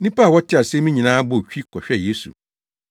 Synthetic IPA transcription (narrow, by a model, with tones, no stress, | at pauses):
nĩ˦pa˦˨wɔ˦tʰɪ˦a˨sɛ˦mĩ˦ɲĩ˨nãː˦bʊ˦˨t͡ɕᶣi˦kʰɔ˨ɕᶣɛ˦je˦sṵ˨